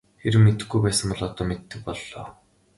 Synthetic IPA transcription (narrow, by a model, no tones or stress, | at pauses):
xeɾɘ̆mːet̪ɘ̆xɡujpæːsə̆mpɔɮɔt̪ɔːmet̪ːɘ̆k̚pɔɮːɔː